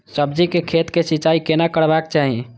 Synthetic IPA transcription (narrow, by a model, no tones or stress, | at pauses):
səbd͡ʒikekʰet̪kesit͡ʃaikenakəɽbak̚t͡ʃaɦi